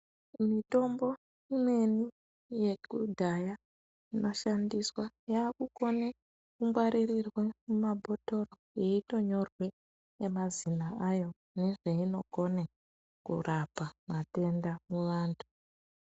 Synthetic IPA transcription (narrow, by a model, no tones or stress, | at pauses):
mito̞mbo̞ | imwe̞ni | je̞kudʱaja | ino̞ʃandiswajaːkuko̞ne | kuŋɡwaɾirirwemumabʱo̞to̞ro | jeito̞ɲo̞rwe | emazinaajo̞ | ne̞ʐeino̞ɡʱo̞ne | kṵrʔapamate̞ndamuʋaːntʰu̥